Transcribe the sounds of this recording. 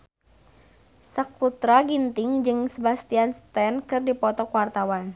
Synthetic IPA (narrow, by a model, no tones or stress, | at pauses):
sak̚put̪ɾaɡint̪ɪŋd͡ʒɨŋsəbast̪ianst̪ɛnkɨrdipɔt̪ɔkwart̪awan